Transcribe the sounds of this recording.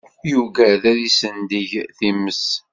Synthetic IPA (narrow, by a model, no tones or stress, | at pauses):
juvæðæðisənd̪iʝθiməs